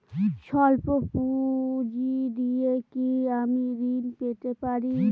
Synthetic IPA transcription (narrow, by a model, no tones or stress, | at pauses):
ʃɔlpopud͡ʑid̪iekiamiɾinpet̪epaɾi